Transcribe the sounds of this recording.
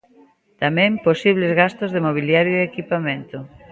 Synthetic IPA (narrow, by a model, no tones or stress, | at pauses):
t̪amɛ̃mposiβ̞lezɣast̪ozðemoβ̞iljaɾjoeekipamẽnt̪o